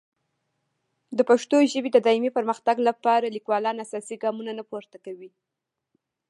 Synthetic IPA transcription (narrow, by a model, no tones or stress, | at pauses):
d̪əpaʂt̪oʒəbed̪əd̪ɑimipəɾməxt̪aɡlapɑɾalikwɑlɑnasɑsiɡɑmunanapoɾt̪akawi